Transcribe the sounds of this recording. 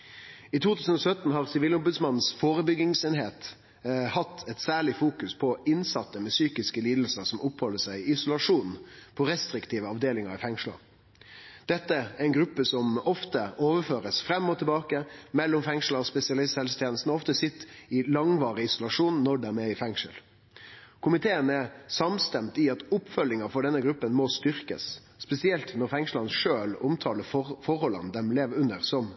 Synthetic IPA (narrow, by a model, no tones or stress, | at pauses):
it̪uːt̪ʰʉːsən̩ɔsœt̪n̩ɦɑʁsɪʋiːlʊmbʉd̪smɑnn̩sfoːɾəbʏɡɪŋseːnɦeːt̪ | hɑt̪ʰːɛt̪sæːɭɪfuːkʉspʰɔɪnsɑt̪ːəmɛsyːkɪskəliːd̪l̩səɾsɔmʔʊphɔlːəsæɪɪɪsʊlɑʂuːnpʰɔɾɛst̪ɾɪkt̪ʰiːʋəɑʋd̪eːlɪŋɑɾɪfɛŋʂlə̰ɾ | d̪̥ɛt̪ːəæɾɛnɡɾʉpːəsɔmɔft̪əoːʋəføːɾəsfɾɛmːɔt̪ʰɛbɑːkəmɛlːɔmfɛŋʂl̩ɑɔspɛsɪɑlɪst̪hɛlst̪ʰjɛːnəst̪n̩ɔɔft̪əsɪt̪ːɪlɑŋʋɑːɾəɪsʊlɑʂuːnːɔɖɛmɛɪfɛŋʂəl | kʰʊmɪt̪ʰeːənɛɾsɑmst̪ɛmt̪ɪɑt̪ʊpːfœlːɪŋɑfɔɖɛnːəɡɾʉpːənmɔst̪ʏɾkə̰sː | pɛsɪɛlt̪nɔɾfɛŋʂlɑnʂøːlʊmt̪ʰɑːləfɔɾhɔlːə̰nd̪ɛmleːʋʉnəɾsɔm